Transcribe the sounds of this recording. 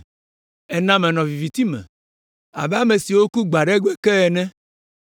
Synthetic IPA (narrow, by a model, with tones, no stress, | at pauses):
ɛ˦nã˦mɛ̃˨nɔ̃˨vi˨vi˨t̪i˦mɛ̰̃˨ | a̰˨bɛ˦a˦me˨si˨wo˦ku˦ɡ͡ba˨ɖɛ˦ɡe˦kɛ˦ɛ˨nɛ̃˦